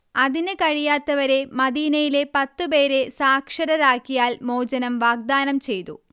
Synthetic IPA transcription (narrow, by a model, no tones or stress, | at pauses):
ɐðinɨkɐɻijaːt̪ːɐʋɐɾe̞mɐðiːnɐjile̞pɐt̪ːɨpe̞ːɾe̞saːkʂɐɾɐɾaːkːijaːlmo̞ːd͡ʑɐnɐmʋaːɡ̚d̪aːnɐmt͡ɕe̞jt̪ṵ